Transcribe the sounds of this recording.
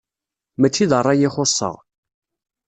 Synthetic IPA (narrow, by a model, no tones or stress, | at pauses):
mæt͡sːiðərˤːɑjɪχosˤːə̰ʁ